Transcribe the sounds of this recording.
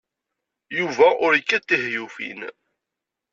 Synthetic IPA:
juvæʔʊɾəkːæt̪ːiɦjufḭn

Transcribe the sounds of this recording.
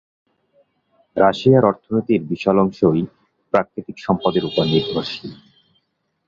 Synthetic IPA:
ɾaʃiaɾɔɾt̪ʰonojt̪iɾbiʃɔlɔŋʃoj | pɾakɾit̪ikʃɔmpad̪eɾupanːid̪ʱoʃi

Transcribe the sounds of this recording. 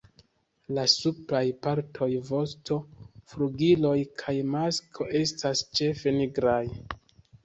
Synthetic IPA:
lasuplajpaɾtʰo̞jvo̞sto̞fɾuɡilo̞jkʰajmaskʰo̞ʔe̞stast͡ʃe̞fe̞niɡɾaj

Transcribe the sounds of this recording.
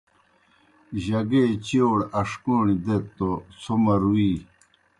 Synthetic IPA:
ʑɐɡeːt͡ɕioːɽɐʂkoːnid̪et̪ːosʰomɐɾuwiː

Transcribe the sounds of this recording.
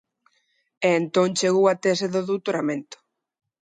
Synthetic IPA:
eːnt̪õŋt͡ʃeɣowat̪ɛseðoðuwt̪oɾamẽnt̪ʊ̥

